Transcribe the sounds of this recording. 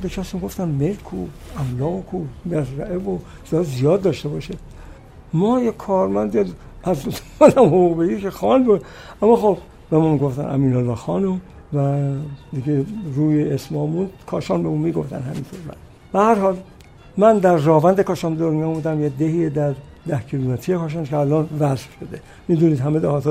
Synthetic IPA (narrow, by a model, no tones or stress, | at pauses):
beʃʰæsmiɡo̞ft̪ænmelkʰo̰æmlɒːɣokʰumezɾæʔevo | szɒːzijɒːd̪ːɒʃt̪e̞bɒːʃe | mɒːjekʰɒːɾmænd̪eæzmɔdæmhouɣbejikexɒːnbud̪ | æmːɒxob | bemɒːmiɡoft̪æ̰nʔæ̰miːnolːɒːxɒːnom | væd̪iɡeɾuːjeesmɒːmund̪kʰɒːʃɒːnbeuːnmiːɡo̞̰ft̪æ̰nhæ̰mḭnt̪ʰoːɾmæ̰n | b̥ehæɾhɒːl | mænd̪æɾːɒːvænd̪ekʰɒːʃɒnbd̪oɾmijɒmud̪æmjed̪eɦiːed̪æɾ | d̪æhcʰilumet̪ʰijekʰɒːʃ̬ɑnkʰeælɒːnvæzfʃod̪e | miːd̪uniːd̪hæmed̪ehɒːt̪ː